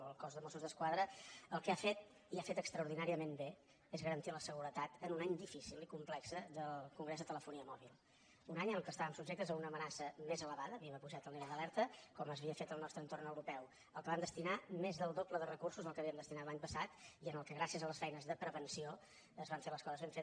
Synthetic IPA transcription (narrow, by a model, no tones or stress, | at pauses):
əlˠkɔzðəmɔsuzðəskwaðɾəəlˠkəafet̪ | iafet̪əkst̪ɾəuɾð̞inaɾiəmembe | ezɣəɾənt̪iləsəɣuɾət̪at̪ənunaɲd̪ifisilikumplɛksəðəlˠkuŋɡɾezðət̪ələfuniəmɔβ̞ilˠ | unaɲənəlˠkəst̪aβəmsubʒek̚t̪əzəunəːmənasəmezələβaðəːβiəməpuʒat̪əlˠniɾalˠd̪əlɛɾt̪əkɔməzβiəfet̪əlˠnɔst̪ɾənt̪ornəwɾupɛw | əlˠkəβamd̪əst̪inamezðəlˠd̪opləðərəkursuzəlˠkəβiəmd̪əst̪inatlaɲpəsat̪iənəlˠkəɣɾasiəzələsfɛjnəzðəpɾəβənsio | əzβaɱfeləskɔzəzβɛmɱfet̪